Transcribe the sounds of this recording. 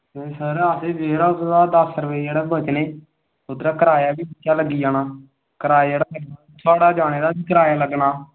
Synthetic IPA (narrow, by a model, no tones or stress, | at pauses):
eːsəɾaseːʋeːɾaːsɾaːd̪əsɾəʋeːd͡ʒeːɽaːbət͡ʃneː | ʊt̪ɾaːkəɾaːjaːbiːbətːjaːləɡːiːjaːnaː | kəɾaːd͡ʒeːɽaːbəɾnaːt̪ʰaːɽaːd͡ʒaːɽ̃eːd̪aːbiːkəɾaːjaːləɡnaː